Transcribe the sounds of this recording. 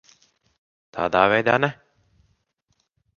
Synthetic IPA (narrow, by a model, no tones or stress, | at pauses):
t̪ʰa̰ːd̪aːvɛjd̪a̰ːnɛ